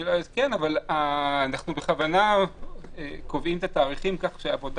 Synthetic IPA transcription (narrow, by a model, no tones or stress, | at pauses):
zkenavalaːnaχnubeχavana | ekovimt̪at̪aːʁiχimkaχʃeavod̪a